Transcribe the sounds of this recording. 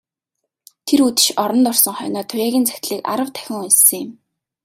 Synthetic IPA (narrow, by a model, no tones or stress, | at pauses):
t̪ʰeɾut̪ɘ̥̆ʃɔɾɞ̆nt̪ʊrsɞ̆ŋχœ̰ːnɔːt̪ʰʊjæːɣʲiːnt͡sæ̥xʲt̪ɮiːka̰ɾə̆wt̪ʰæ̥xʲɪ̆ŋissɘ̆ŋjɪm